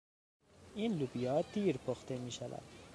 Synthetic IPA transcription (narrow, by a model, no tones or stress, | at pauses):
iːnlubijɒːd̪iːɾpʰoxt̪emiːʃævæ̰d̪̥